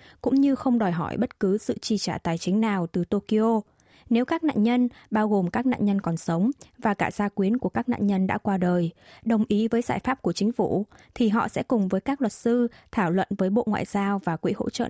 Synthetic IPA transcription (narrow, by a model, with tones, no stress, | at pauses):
kʊ̰˧˥ŋ͡mɲɨ˧xə˧wŋ͡mɗɔ˨˩jɦɔ˧˩jɓə˦˥t̚kɨ˨˦sɨ̰˧˨t͡ɕi˧t͡ɕaː˧˩t̪aː˨˩jt͡ɕï˨˦ŋ̟naː˨˩wt̪ɨ˨˩t̪o˧ki˧ʔo˧ | ne˨˦wkaː˦˥k̚na̰ː˧˨nɲə˧nɓaː˧wɣo˨˩mkaː˦˥k̚na̰˧˨nɲə˧nkɔ˨˩nsə˨˦wŋ͡mvaː˨˩kaː˧˩z̥aː˧kwi˨˦ənku˧˩əkaː˦˥k̚na̰ː˧˨nɲə˧nɗa̰ː˧˥kwaː˧ɗəː˨˩jɗə˨˩wŋ͡mʔi˨˦vəː˨˦jza̰ː˧˩jfaː˦˥p̚ku˧˩ət͡ɕï˨˦ŋ̟fu˧˩t̪ʰi˨˩ɦɔ̰˧˨sɛ̰˧˥kʊ˨˩ŋ͡mvəː˨˦jkaː˦˥k̚lə˨˩t̚sɨ˧t̪ʰaː˧˩wlwə̰˧˨nvəː˨˦jɓo̰˧˨ŋwa̰ː˧˨jz̥aː˧wvaː˨˩kwḭ˧˥ho̰˧˥t͡ɕə̰˧˨